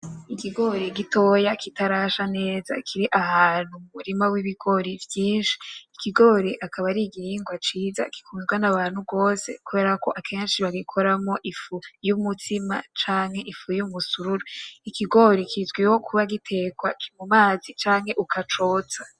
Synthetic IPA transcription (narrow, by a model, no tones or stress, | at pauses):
ikiɡo̞ɾiɡito̞ːjakitaɾaːʃane̞ːza̰kʰiɾiʔahaːn̥humumuɾimawiβiɡo̞ɾivjiːnʃi̥ːkiɡo̞ɾiʔakʰaβaɾiɡiɾiːŋɡwat͡ʃiːza̰ki̥kuːnzɡanaβaːnhuɡo̞ːse̞̰kuβe̞ːɾako̞ʔakʰe̞ːnʃiβaɡikʰo̞ɾamoʔifujumutima̰t͡ʃaːŋhe̞ʔifujumusuɾuɾoikiɡo̞ɾikʰizɡweho̞kʰuβaɡitʰe̞kwakʰimumaːzit͡ʃaːŋhe̞ʔukʰat͡ʃo̞ːt͡sḁ